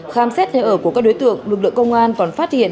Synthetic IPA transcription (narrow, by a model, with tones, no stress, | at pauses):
xaː˧msɛ˦˥t̚ne˨˧˩ʔəː˧˩ku˧˩əkaː˦˥k̚o˨˦jt̪ɨ̰˧˨əŋlɨ˨˩k̚lɨ̰˧˨əŋkə˧wŋ͡mʔaː˧nkɔ˨˩nfaː˦˥t̚hḭ˧˨ən